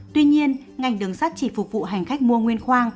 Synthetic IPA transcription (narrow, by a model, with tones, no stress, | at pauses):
t̪wi˧ɲi˧ən | ŋa˨˩jŋ̟ɗɨ˨˩əŋsa˦˥t̚t͡ɕi˧˩fʊ˨˩k͡p̚vṵ˧˨ɦa˨˩jŋ̟xa˦˥k̚mu˧əŋwi˧ənxwaː˧ŋ